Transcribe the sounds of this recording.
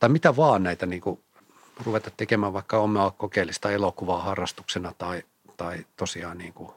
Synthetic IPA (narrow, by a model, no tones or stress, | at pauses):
t̪ɑimit̪æʋɑːnnæit̪æniːŋku | ruʋet̪ɑt̪t̪ekemæːʋʋɑikːɑomːˑɑkokeilːist̪ɑelokuʋɑːhɑrːɑst̪u̥ksenɑt̪ɑi | t̪ɑit̪osiɑːnniːŋku